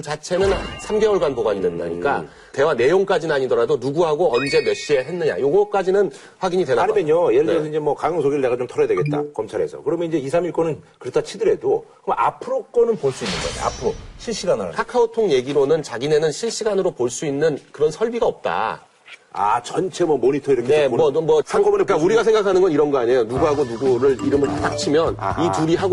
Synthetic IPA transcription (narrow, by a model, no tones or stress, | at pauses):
t͡ɕat͡ɕʰe̞nɯnsʰamɡe̞wʌɭɡanpoɡaɲidwenda̰ɲḭk͈a̰ | te̞wane̞joŋk͈ad͡ʑinaɲidʌɾadonuɡuɦaɡoʌnd͡ʑe̞meɕ͈ie̞ɦe̞nːɯɲa̰joɡʌk͈ad͡ʑinɯn | ɸwaɡiɲidwe̞naaɲmeɲojeɾɯɭnes̬ʌiɲd͡ʑe̞mwʌkajɯŋsʰoɡiɾɭdeɡat͡ɕomtʰʌɾʌdwe̞ɡe̞t̚t͈a̰kʌmt͡ɕʰaɾɦe̞sʰʌ̰kɯɾʌmjʌniɲd͡ʑe̞isʰamiɭk͈onɯnkɯɾetʰat͡ɕʰidɯɾe̞dokɯmapʰɯɾok͈ʌnɯnpoɭs͈uinːɯnɡʌ̰a̰ɲ̰a̰pʰɯɾoɕʰiɭɕ͈iɡankʰakʰaotʰoŋje̞ɡiɾonɯnt͡ɕaɡine̞nɯnɕʰiɭɕ͈iɡanɯɾopoɭs͈uinːɯnkɯɾʌnsʰʌɭbiɡaʌp̚t͈a̰ | a̰t͡ɕʌnt͡ɕʰe̞mwʌmoɲitʰʌiɾɯmneʌmʌakʌnkauɾiɡas̬ʰe̞ŋɡakʰanɯnɡʌniɾʌnɡʌaɲejonuɡuɦaɡonuɡuɾɯɭiɾɯmɯɭat͈ak̚t͡ɕʰimjʌnituɾiɦaɡo